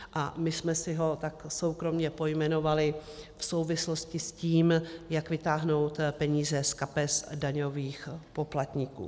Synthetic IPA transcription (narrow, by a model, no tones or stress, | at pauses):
ʔa̰mɪsmɛsɪɦo̞t̪akso̞wkɾo̞mɲɛpo̞jmɛno̞valɪfso̞wvɪslo̞scɪsciːmjakvɪt̪aːɦno̞wt̪pɛɲiːzɛskapɛsdaɲo̞viːxpo̞plat̪ɲikṵː